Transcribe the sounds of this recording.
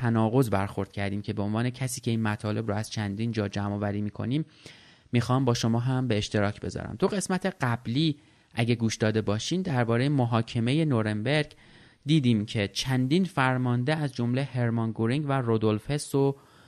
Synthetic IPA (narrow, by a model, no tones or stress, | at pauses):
ænɒːɣo̞zbæɾxo̞ɾd̪̥cʰæɾd̪iːmcʰe̞be̞onvɒːne̞cʰæsiːcʰe̞iːnmæt̪ʰɒːle̞bɾʊæz̥t͡ʃʰænd̪iːnd͡ʒɒːd͡ʒæmɒːvæɾiːmiːkʰo̰niːmː | ixɒːmbɒːʃo̞mɒːɦæmbe̞ːʃt̪e̞ɾɒːcʰbe̞̰zɒ̰ɾæ̰mt̪ʰoɣe̞smæt̪ʰe̞ɢæbliː | ʔæɟe̞ɡuːʃd̪ɒːd̪e̞bɒːʃiːmd̪æɾbɒːɾe̞jemoɦɒːcʰe̞me̞je̞noɾe̞mbe̞ɾɡ̥ | d̪iːd̪iːmcʰe̞t͡ʃʰænd̪iːnfæɾmɒnd̪eæzd͡ʒo̞mlehe̞ɾmɒnɡoɾiŋɡværod̪o̞lfe̞so